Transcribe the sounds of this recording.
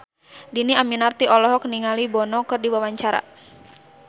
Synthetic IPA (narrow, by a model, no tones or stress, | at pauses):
diniaminart̪iɔlɔɦɔk̚niŋalibɔnɔkɨrdiwawaɲt͡ʃaɾa̰